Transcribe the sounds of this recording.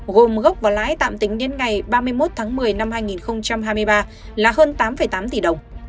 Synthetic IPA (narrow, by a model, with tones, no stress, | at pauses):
ɣo˨˩mɣə˦˥k͡p̚vaː˨˩wla̰ː˧˥jt̪a̰ː˧˨mt̪ï˨˦ŋ̟ɗe˨˦nŋa˨˩jɓaː˧mɨ˧əjmo˦˥t̚t̪ʰaː˨˦ŋmɨ˨˩əjna˧mhɦaː˧jŋi˨˩nxə˧wŋ͡mt͡ɕa˧mɦaː˧jmɨ˧jɓaː˧ | laː˨˩ɦəː˧nt̪aː˨˦mfə˨˩jt̪aː˨˦mt̪i˨˩ɗə˨˩wŋ͡m